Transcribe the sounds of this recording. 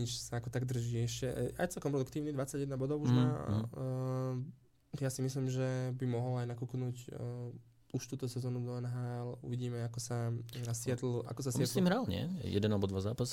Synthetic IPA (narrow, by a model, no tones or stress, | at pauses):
ɲit͡ʃsaakɔt̪aɡd̪r̩ʒiːɛʃcɛa̰jt͡sɛlkɔmpɾɔd̪ukt̪iːʊnid̪ʋat͡sːaɟjɛd̪nabɔd̪ɔʊuʒma̰ | jaːsimisliːmʒɛbimɔɦɔlajnakuːknuːc | uʃt̪uːt̪ɔsɛzɔːnud̪ɔɛnɦaːɛlṵʋiɟiːmɛakɔsasɪɛt̪l̩a̰kɔsasɪɛtslimɦɾalɲɪɛ̰jɛ̰d̪ɛnalbɔd̪ʋazaːpas